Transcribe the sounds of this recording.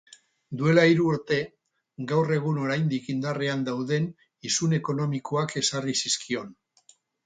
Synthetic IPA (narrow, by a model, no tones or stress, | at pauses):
d̪ue̞laiɾuːɾt̪e̞ | ɡawre̞ɣ̞uno̞ɾajnd̪ikind̪areand̪awðe̞n | isune̞ko̞no̞miko̞ake̞sarisiskio̞n